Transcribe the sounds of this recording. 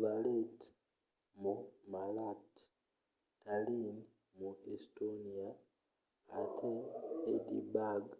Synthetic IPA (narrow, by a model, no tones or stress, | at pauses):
βaleti̥ | mumalati̥ | talini | muestonia | atʰeedibaɡ